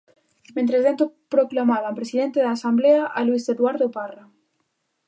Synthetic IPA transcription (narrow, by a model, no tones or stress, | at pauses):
mẽnt̪ɾezðent̪opɾoklamaðampɾesiðent̪eðaːsambleaʔalwiseðwaɾðopara